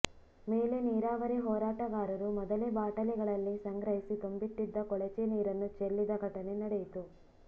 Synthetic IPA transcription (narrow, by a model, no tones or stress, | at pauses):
meːle̞niːɾaːʋɐɾeɦɔːɾaːʈɐɡaːɾɐɾumɔd̪ɐlebaːʈɐlɛɡɐɭɐlːisɐŋɡɾɐɦisit̪ombit̪ːid̪ːɐkɔɭɛt͡ʃeniːɾɐnːut͡ʃelːid̪ɐɡʱɐʈɐne̞nɐɽejit̪u